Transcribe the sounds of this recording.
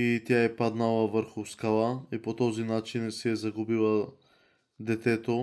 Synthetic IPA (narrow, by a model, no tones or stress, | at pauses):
it̪ʲjaɛpad̪nalˠɐvəɾxʊskalˠaipot̪ɔzinat͡ʃinsiɛzɐɡubilˠɐ | d̪ɛt̪ɛt̪o